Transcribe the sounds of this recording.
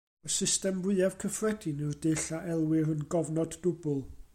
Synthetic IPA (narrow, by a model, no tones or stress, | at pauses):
əsɪstɛmbʊɨav̥kʰəfrɛdinɨrdɨɬaʔɛlˠwɪrənɡɔvnɔdːʊbʊlˠ